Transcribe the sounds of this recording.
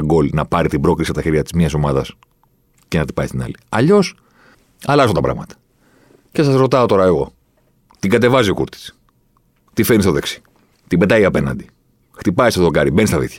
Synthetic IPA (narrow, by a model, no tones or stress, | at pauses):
ɡo̞lnɐpɐɾit̪ibɾo̞klisiɐt̪ɐçeɾʝɐt̪izmɲɐso̞mɐðɐs | cenɐt̪i̥pɐist̪inɐ̰liɐʎo̞s | ɐlɐsot̪ɐpɾɐ̰ɣmɐt̪ɐ̥ | ce̞sɐsɾo̞t̪ɐo̞t̪o̞ɾɐe̞ɣo̞ | t̪iɡɐt̪e̞vɐziokṵɾt̪i̥s | t̪ifenist̪oðe̞ksi̥ | t̪ibe̞t̪ɐiɐpe̞nɐ̰nd̪i | xt̪ipɐist̪oðokɐɾibe̞nist̪ɐðḭθçɐ̥